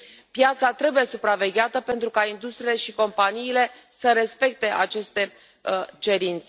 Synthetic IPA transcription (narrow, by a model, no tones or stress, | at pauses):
pjat̪sat̪ɾe̞buje̞supɾave̞ɡʲeat̪əpe̞nt̪ɾukaind̪ust̪ɾiːle̞ʃiko̞mpaniːle̞səɾe̞spe̞k̚t̪e̞ʔat͡ʃe̞st̪e̞ | t͡ʃe̞ɾint̪se